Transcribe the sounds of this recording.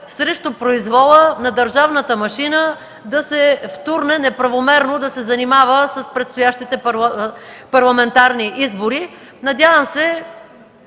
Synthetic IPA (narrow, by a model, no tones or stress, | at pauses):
sɾɛʃt̪opɾoizvɔlˠənɐd̪əɾʒavnət̪əmɐʃinə | d̪ɐsɛft̪uɾnɛnɛpɾɐvomɛɾnod̪ɐsɛzɐnimavəsɐspɾɛt̪st̪ʊjaʃt̪it̪ɛp | pɐɾlˠɐmɛnt̪aɾniʔizboɾi | nɐd̪ʲjavəmsɛ